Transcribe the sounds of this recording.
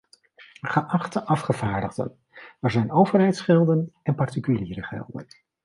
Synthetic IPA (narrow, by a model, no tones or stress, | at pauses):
χəʔɑχtəʔɑfχəvaːɹdəχdə̰n | ɛɹzɛjnowvəɹɦɛjtsχɛlˠdənɛnpɑɹtikyliːɾəχɛ̰lˠdə̰n